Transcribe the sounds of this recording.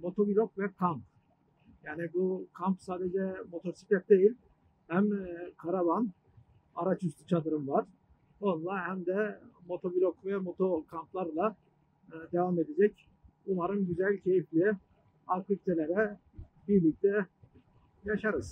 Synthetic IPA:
mo̞t̪ʰo̞bilʲokvɛkʰamp | jaːnibukʰampsaːd̪ed͡ʒɛmo̞t̪ʰo̞ɾsi̥pʰʲɛt̪̚d̪e̞jilʲ | hæmkʰaɾavan | aɾat͡ʃʰyst̪u̥t͡ʃʰad̪ɯɾɯmvaɾ̥ | o̞nlˠaɦæmd̪ɛmo̞t̪ʰo̞bilʲokvɛmo̞t̪ʰo̞kʰamplˠaɾlˠa | d̪e̞vame̞d̪ed͡ʒɛc | bulˠaɾɯnɟyzælʲcʰe̞jiflʲ | ak̪ubit̪ʰelʲeɾɛ | biɾlʲic̚t̪ʰɛ | jaʃaɾɯz̥

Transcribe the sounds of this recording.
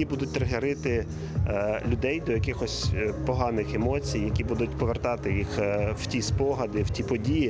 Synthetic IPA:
ibud̪ʊt̚ʲt̪ɾɐɦeɾɪt̪ɪ | lʲʊd̪ɛjd̪ɔjɐkɪxɔsʲpɔɦɑnɪxemɔt͡sʲijːɐkʲibud̪ʊtʲpɔʋert̪ɑt̪ɪjixw̥tʲispɔɦɐd̪ɪw̥tʲipɔdʲiji

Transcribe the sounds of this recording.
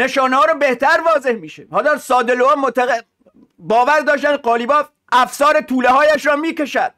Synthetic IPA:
neʃɒːnehɒːɾɔbeht̪ʰæɾvɒːzehmiːʃehɒːd̪ɒːsɒːd̪eloɑːmot̪æe | bɒːvæɾd̪ɒːʃt̪æn̚qɒːliːbɒː | ʔæfsɒːɾet̪ʰuːlehɒːjæʃɾɒːmiːkeʃæd̪̥̚

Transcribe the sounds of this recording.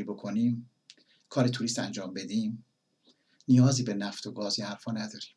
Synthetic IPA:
iːbokʰo̞niːm | kʰɒːɾet̪ʰuɾist̪ænd͡ʒɒːmbe̞d̪iːm | nijɒːziːbe̞næft̪oɡɒːzihæɾfɒːnæd̪ɒːɾim

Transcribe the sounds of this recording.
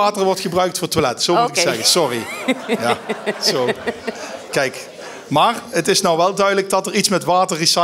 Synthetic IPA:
aːtəɹʋɔɹtχəbrœɥk̚tfʊːɹtʋalɛtsomutɪksɛɣəsɔrijaso | kɛjk | maːrətɪsnɔwʋɛlˠdœɥdələɡ̚dɑtəɹitsmɛtʋaːtəɹrisɑ

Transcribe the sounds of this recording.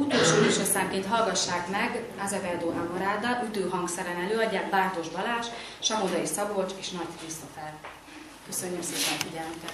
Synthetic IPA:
ut̪oːlʃoːiʃosaŋkːeːnt̪ɦɒlɡɒʃːaːkmɛɡ | azɛvɛrd̪oːɦamoɾaːd̪ɒʔyt̪øːɦɒŋɡsɛɾɛnɛløːɒɟːaːkbaːrt̪o̞ʒbɒlaːʃʃɒmod̪ɒisɒbot͡ʃeːʃnɒɟkrist̪o̞fɛr | køsøɲːømseːpɛnfiɟɛlnykɛt̪

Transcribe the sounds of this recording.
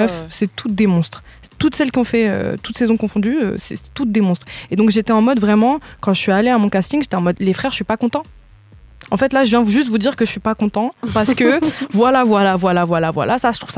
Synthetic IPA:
œfsɛt̪ud̪emɔ̃st̪χ | t̪ut̪sɛlkʲiɔ̃fɛø̰t̪u̥t̪sɛzɔ̃kɔ̃fɔ̃d̪yø̰sɛ̰sɛ̥t̪ut̚d̪emɔ̃st̪χed̪ɔ̃kʒet̪ɛɑ̃mɔd̪vʁɛmɑ̃kɑ̃ʒəsɥialeamɔ̃kast̪iŋʒet̪ɛɑ̃mɔd̪lefχɛʁəʃɥipakɔ̃t̪ɑ̃ | ɑ̃fɛt̪laʒəvjɛ̃ʒyst̪vud̪iʁkəʒəʃɥipakɔ̃t̪ɑ̃paʁsə̥kəvwalavwalavwalavwalavwa̰lasaʒə̥t̪χuvsa

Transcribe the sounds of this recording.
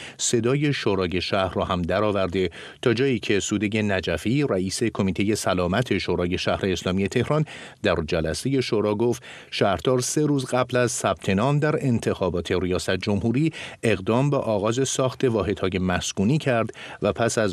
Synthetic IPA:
se̞d̪ɒːje̞ʃoːɾɒːje̞ʃæhɾrɒːhæmd̪æɾɒːvæɾd̪e̞ | t̪ʰɒːd͡ʒɒːjiːcʰe̞suːd̪eje̞næd͡ʒæfiːræiːse̞kʰo̞miːt̪ʰe̞je̞sælɒːmæt̪ʰe̞ʃoɾɒːje̞ʃæhɾe̞ːslɒːmije̞t̪ʰe̞hɾɒn | d̪æɾd͡ʒælæse̞je̞ʃoːɾɒːɡoft̪ | ʃæhɾd̪̥ɒːɾse̞ɾuːzɡæblæzsæb̥̚t̪ʰe̞nɒːmd̪æɾe̞nt̪ʰe̞xɒːbɒːt̪ʰe̞ɾijɒːsæt̪̚ʰd͡ʒo̞mɦuːɾiːe̞ɣd̪ɒːmbeʔɒːɣɒːze̞sɒːxt̪ʰe̞vɒːɦe̞d̪̥hɒːje̞mæskuːniːcʰæɾd̪væpʰæsæz

